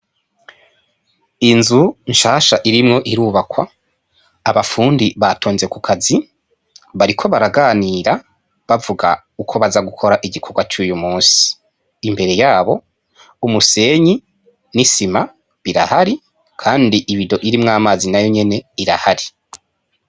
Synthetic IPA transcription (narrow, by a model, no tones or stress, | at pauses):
inzuɲʃaːʃaʔiɾimŋo̞ʔiɾuːβakwa | aβafuːndiβatʰoːnze̞kukʰazi | βaɾikʰo̞βaɾaɡaːniɾa | βavuɡa | ukʰo̞βazaɡukʰoɾaʔiɟikʰo̞ɡwat͡ʃuːjumuːnsi̥ː | mbe̞ɾe̞jaːβo̞ | umuse̞ɲi | nisima | βiɾa̰haɾi | kʰaːndiʔiβido̞ʔiɾimŋaːmazinajo̞ɲe̞ne̞iɾa̰haɾi